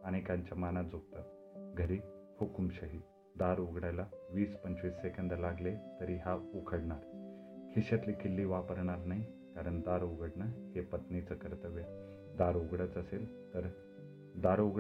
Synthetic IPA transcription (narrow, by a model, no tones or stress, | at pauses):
aɽ̃ikaɲt͡ɕamanad͡zʱoɡ̚t̪ət̪ | ɡʱəɾifʰokumɕəɦiː | d̪aɾuɡɽajlaʋiːspəɲt͡ɕʋiːsːekənd̪əlaɡlet̪əɾiɦaukʰəɽɳaɾ | kʰiɕat̪liːkʰilːiːʋapəɾɳaɾnaɦi | kaɾəɳd̪aɾuɡəɽɳəhepət̪nit͡səkəɾt̪əʋeɾ | d̪aɾuɡɽət͡səsel | t̪əɾ | d̪aɾoɡ